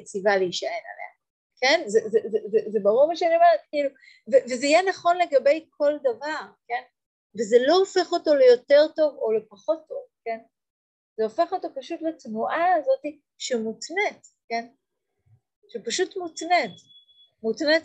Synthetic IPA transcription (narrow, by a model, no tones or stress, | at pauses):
t͡sivaleiʃae̞na̰lḛa | kʰenzezezɛzezebaʁuʁmaʃeanimaetkiilu | vevezeijɛnaχo̞nle̞ɡabe̞jkʰo̞ldavaʁke̞n | vezelo̞ofe̞χo̞to̞lejo̞teʁto̞vo̞le̞paχo̞tʰːo̞vken | zeofe̞χo̞to̞paʃutlatnuʔaːzo̞ti | ʃemutnetken | ʃepaʃutmutnet | mutnet